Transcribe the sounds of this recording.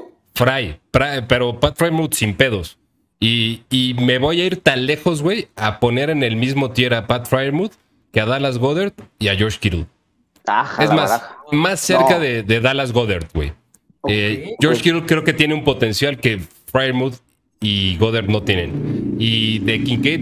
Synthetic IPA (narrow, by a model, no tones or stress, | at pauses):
fɾajfɾape̞ɾo̞pat̪fɾajmud̪simpe̞ð̞o̞s | iː | me̞βo̞jaiɾt̪anle̞xo̞zɣwe̞japo̞ne̞ɾe̞ne̞lmizmo̞t̪je̞ɾapat̪fɾajɾmuð | ke̞aðalazɣo̞ðe̞ɾt̪iaʝo̞ɾʃkiɾṵð | aezmasmasːe̞ɾkaðe̞ðe̞ðalazɣo̞ðeɾt̪ɣwḛj | eɟ͡ʝoɾkiɾuðkɾe̞oke̞t̪je̞neumpo̞t̪e̞nsjalke̞ | fɾajɾmuð | iɣo̞ðeɾt̪no̞t̪je̞nḛ̃niðe̞kiŋkejt̪̚